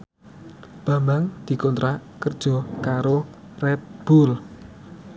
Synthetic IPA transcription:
b̥ä̤mbaŋd̪̥i̤kɔnt̪ɾakərd̥ʒ̥ɔ̤kaɾo | rɛt̪̚b̥ul

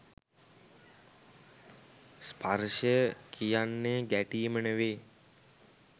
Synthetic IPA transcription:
spʰarʃəkʰijanːeɡæʈiːmənəʋeː

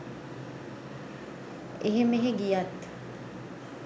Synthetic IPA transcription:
eɦemeɦeɡijat̪

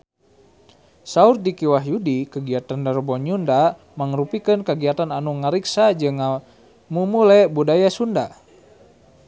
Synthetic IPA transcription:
saurdikiwaɦjudikəɡiat̪andaɾbɔɲunda | maŋrupikənkaɡiat̪ananuŋaɾiksad͡ʒɨŋːa | mumulɛbudajasunda

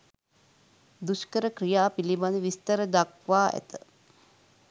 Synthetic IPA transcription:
d̪uskəɾəkrijaːpilibanəʋist̪əɾəd̪akʋaːʔæ̰t̪ə

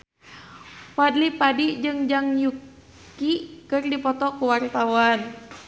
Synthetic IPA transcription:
wadlipadid͡ʒɨŋd͡ʒaŋjuk | ikɨrdipɔt̪ɔkuwart̪awan

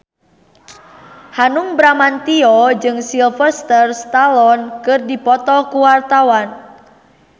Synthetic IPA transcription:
hanuŋbɾamant̪iɔd͡ʒɨŋsilfəst̪ərst̪alɔnkɨrdipɔt̪ɔkuwart̪awan

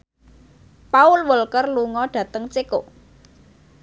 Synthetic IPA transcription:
paʊlwəlkərluŋɔɖ̥ä̤t̪əŋt͡ʃeko

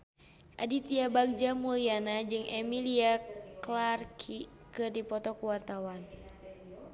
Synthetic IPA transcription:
ʔa̰dit̪iabaɡ̚d͡ʒamulianad͡ʒɨŋʔɛmiliaklarkʰi | kɨrdipɔt̪ɔkuwart̪awan

